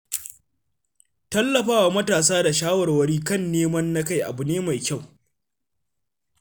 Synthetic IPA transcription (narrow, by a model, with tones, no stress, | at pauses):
tɐ˦lːɐ˨ɸaː˦wa˨mɐ˦taː˨s̬aː˦da˨ʃaː˦wɐ˨rwɐ˦ɾiː˦kɐ˦˨nːeː˦mɐ˦nːa˦ka˦jʔa̰˨bʊ˨neː˦ma˨jkʲa˦˨w